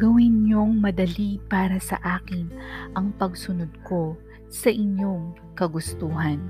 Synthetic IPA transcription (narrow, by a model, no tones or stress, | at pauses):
ɡɐwɪnɲoŋmɐd̪ɐlipaːɾɐsɐ̰ʔaːkɪnʔɐŋpɐɡsʊnod̪̚ko̞ | sɐʔɪɲjoŋ | kɐɡʊst̪uːɦɐn